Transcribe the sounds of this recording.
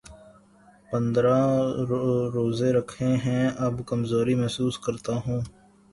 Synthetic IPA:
pə̃nd̪ɾa | ɾoːzeɾɐkʰẽɦɛ̃ɐbkɐmzoːɾimɛɦsuːskɐɾt̪aɦõː

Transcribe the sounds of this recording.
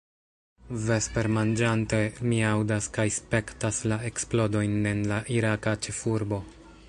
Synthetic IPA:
ve̞spe̞ɾmand͡ʒante̞miawdaskajspe̞ktaslae̞ksplo̞do̞jne̞nlaʔiɾakat͡ʃe̞fuɾbo̞

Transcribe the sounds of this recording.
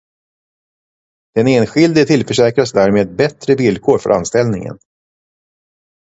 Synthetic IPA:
d̪̥ɛneːnɧɪld̪ɪt̪ʰɪlfœʂɛːkɾasd̪æːɾmeːd̪̚bɛt̪ɾəvɪlːkʰoːɾfœ̰ɾʔa̰nst̪ɛlnɪŋə̰n

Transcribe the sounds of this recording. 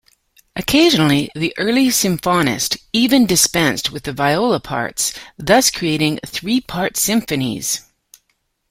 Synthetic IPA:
ʔɨkʰeɪʒɨnl̩ˠiðiʔɜ˞lˠisɨ̃ɱfɑnɨ̰stivɨ̃ndɨspɛ̃nst̚wɨðɨvaɪoʊlˠəpʰɑ̰ɹtsðʌskʰɹ̥ieɪɾɪ̃ŋθɹipʰɑɹtsɪ̃ɱfɨnḭz̥

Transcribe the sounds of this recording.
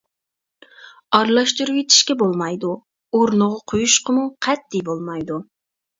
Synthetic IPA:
ɑɾlˠɑʃt̪uɾuwet̪ʰi̥ʃkʲɛbolˠmɑjd̪u | oɾnʊʁɑqʰojuʃqʰəmuqʰɛt̪ːijbolˠmɑjd̪u

